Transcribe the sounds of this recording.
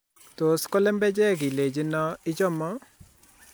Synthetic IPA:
to˨skɔ˦lɛ˦mbɛ˦d͡ʒɛ˦˨ɡi˨le˨d͡ʒi˦nɔ˦ɪ˦d͡ʒɔ˦mɔ˦

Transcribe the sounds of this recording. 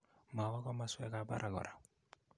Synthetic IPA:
ma˨wɔ˦kɔ˦ma˦swɛ˦ka˦ba̰˦ɾʔa˨ɡɔ̰˨ɾa˨

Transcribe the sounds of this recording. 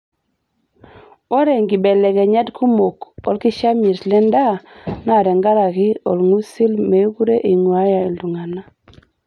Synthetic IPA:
o˦ɾe˨ŋɡi˨bɛ˨lɛ˨kɛ˨ɲa˦dkʰu˦mo˨kɔ˨lki˦ʃa˦mi˨slɛ˦nda˦na˦˨ɾɛ˨ŋɡa˦la˨kɪ˦ɔ̰˨lŋu˦si˦lme˨˦ku˦ɾe˦ʔi˨ŋwa˦ja˨i˨ldu˨ŋa˨na˦

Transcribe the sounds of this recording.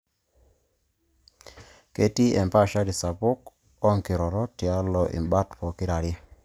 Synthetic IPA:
ke˦ti˦ʔɛ˨mpa˦˨ʃa˦di˨sa˨pʊ˦k | ɔ˦ŋki˨ɾɔ˨ɾɔ˦tja˦lɔ˨ʔḭ˨mba˦tpɔ˨kɪ˦ɾa˨ɾe˦

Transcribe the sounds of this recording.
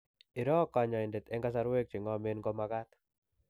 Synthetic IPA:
ɪ˨ɾɔ˦ka˨ɲa˨ɪ˨nde˨t̪ɛ˦ŋɡa˦s̬a˦ɾwe˦k̚t͡ʃɪ˨ŋɔ˦me˦nɡɔ˦maɡa˦t̪

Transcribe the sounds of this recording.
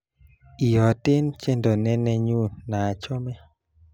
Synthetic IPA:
i˨jɔ˨tɪ˦nt͡ʃe˦ndo˨nɛ˦nɛ˦ɲu˦na˨t͡ʃɔ˦mɛ˦

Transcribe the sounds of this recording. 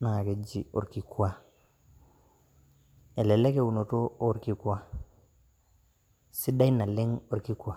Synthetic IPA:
na˨ŋa˨ke˨d͡ʒi˨o˨ɾki˨kwa˦ | ɛ˨lɛ˨lɛ˦ke˦˨wu˨no˨to˦o˦ɾki˦kwa˦ | si˦da˦i˦na˨lɪ˦ŋo˨ɾki˦kwa˨

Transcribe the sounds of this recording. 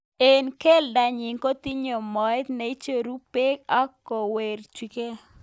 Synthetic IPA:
e˦˨nke˦lda˨ɲɪ˨ŋko˦t̪i˦ɲo˨mɔ˨jt̪na˨i˦t͡ʃe˦˨ɾu˦pe˦ka˦kːɔ˨we˨rt͡ʃwi˨ke˦

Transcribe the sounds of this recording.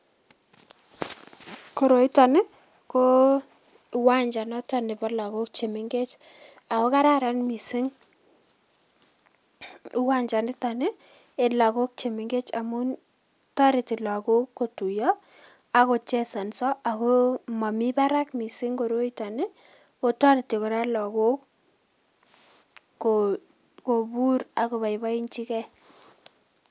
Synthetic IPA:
ko˨ɾo˨i˦ta˨nɪ˦ | ko˦ | wa˦ɲd͡ʒa˨nɔ˦ta˦nɪ˨pɔla˨ko˦k̚t͡ʃe˨mɪ˦ŋɡe˦t͡ʃ | a˨ko˦ka˦ɾa˦ɾa˦nmi˨si˦ŋ | u˦wa˦ɲd͡ʒa˨nɪ˦ta˨nɪ˦ | e˨la˨ko˦k̚t͡ʃe˨mɪ˨ŋɡe˦t͡ʃa˨mu˦ | tɔ˦ɾi˨ti˨la˨ko˦kːo˨tu˨jɔ˦ | a˦ko˨t͡ʃɛ˦sa˨nsɔ˦ʔa˨ko˦ma˨mi˦ba˦ɾa˦kmi˨si˦ŋko˨ɾo˦ita˨nɪ˦ | o˦tɔ˦ɾɪ˨tːi˨kʊ˨ɾa˦lɔ˨ko˦k | ko | ko˨bu˦ɾa˨ko˨βa˨jba˦i˦nt͡ʃi˦kɛ˦

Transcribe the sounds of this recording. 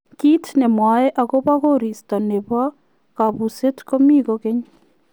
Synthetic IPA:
ki˦tnɛ˨mwa˨ɛ˦ʔa˨ɡo˦ba˦ɣo˦ɾi˨sta˨ne˨ba˦ | ka˨bu˨se˦tko˦mi˦ɡoke˦ɲ

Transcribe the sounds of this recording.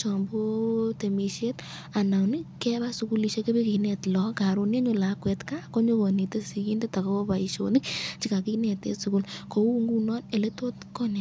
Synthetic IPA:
t͡ʃɔ˨mbo˦te˨mi˨ʃe˦t | a˨na˨wnɪ˦kɛ˦βa˦suku˦li˧ʃe˧ke˦be˦ki˨nɛ˨tlɔ˨ka˨ɾo˧nje˦ɲo˦la˨kwɛ˨tka˦ko˦ɲo˦βɔ˨ni˨te˦si˨ki˦nde˦ta˨kɔ˦o˦ba˨i˨ʃo̰˨nɪ˦k̚t͡ʃi˦ka˨ki˦nɛ˨tḛ˦su˨ku˦lko˦u˦ŋɡu˦nɔ˦ne˨le˦to˦tkɔ˦ne˨

